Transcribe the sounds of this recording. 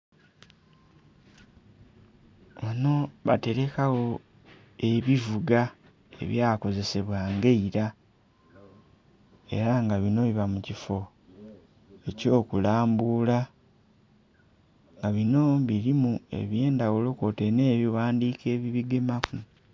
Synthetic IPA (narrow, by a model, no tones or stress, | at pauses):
βano̞βa̰te̞ɾe̞kaɣo̞ | e̞βivuɡa | e̞̰βjaːko̞ze̞se̞βwaːŋɡe̞iɾa | e̞̰ɾaŋɡaβino̞βiβamucifo̞ | e̞co̞ːkulaːmbuːla | ŋɡaβino̞βiɾimue̞̰βje̞ːndawulo̞ko̞te̞ne̞ːβiwaːndiːke̞ːβiβiɡemaku